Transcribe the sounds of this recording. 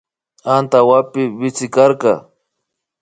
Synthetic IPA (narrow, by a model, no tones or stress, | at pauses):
ant̪awapɪbɪt͡sɪkaɾkɑ